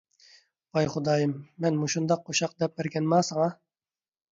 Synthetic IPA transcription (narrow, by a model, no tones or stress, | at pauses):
bɑjχʊd̪ɑːjɨmːɛnmuʃund̪ɑqʰːoʃɑq̚d̪ɛp̚bæɾkʲɛnmɑːsɑŋɑ